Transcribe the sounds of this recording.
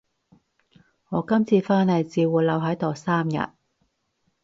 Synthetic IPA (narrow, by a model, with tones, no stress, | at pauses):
ŋɔː˨˧kɐ˥mt͡sʰiː˧faː˥nhɐ˨jt͡siː˨˧wuː˨˩lɐ˨˧wɦɐ˨˥jt̪ɔː˨˩saː˥mjɐ̰˨t̚